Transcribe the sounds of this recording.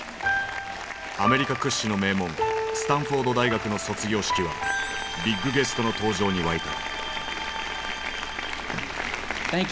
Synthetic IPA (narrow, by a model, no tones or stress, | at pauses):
ame̞ɾʲikakɯ̟ɕːino̞me̞ːmõ̞ŋsɨ̥t̪ãɰ̃ɸo̞d̪o̞d̪aiɡakɯ̟no̞so̞t͡sɨɡʲo̞ːɕi̥kʲiβa̰ | bʲiɡːɯ̟ɡe̞sɨ̥t̪o̞no̞t̪o̞ːʑo̞ːɲ̟iβait̪a̰ | a